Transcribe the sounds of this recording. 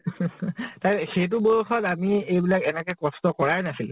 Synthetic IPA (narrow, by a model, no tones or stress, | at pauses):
tajxejt̬ubɔjuxɔtamiejbilakɛnɛkɛkɔstɔkɔɹajnasil̰